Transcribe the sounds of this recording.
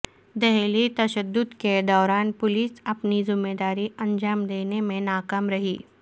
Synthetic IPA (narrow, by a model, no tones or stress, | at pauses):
d̪ɛɦlit̪ɐʃəd̪ːʊd̪ked̪ɔːɾaːnpʊliːsɐpnizʊmːeːd̪aːɾiɐ̃nd͡ʒaːmd̪eːnemẽnaːkaːmɾɐɦiː